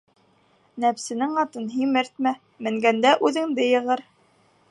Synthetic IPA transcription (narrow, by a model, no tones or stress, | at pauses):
næpsɘ̆nɘŋɑt̪ɤnɦimɘɾt̪̚mæ | mɘ̆ŋɡænd̪æʔʉðɘ̆ŋd̪ɘjɤ̆ʁɤɾ